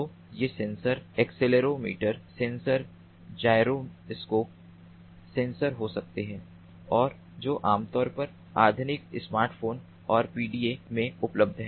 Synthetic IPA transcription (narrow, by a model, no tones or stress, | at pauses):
oː | jeːsẽːnsəɾeːksɪleɾomḭːʈəɾsẽːnsəɾ | d͡ʒaːɪɾoɪskoːp̚ | sẽːnsəɾɦosɐk̚t̪eɦɛ̃ː | ɔːɾ | d͡ʒoːʔaːmt̪ɔːɾpɐɾ | aːd̪ʱʊnɪksmaːɾʈfʰoːn | ɔːɾpiːɖiːemẽʊpləb̚d̪ʱɦɛː